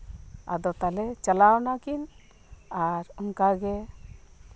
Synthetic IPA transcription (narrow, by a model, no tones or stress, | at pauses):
a̰d̪ɔt̪alɛt͡ʃəlawnakin | aɾuŋkaɡe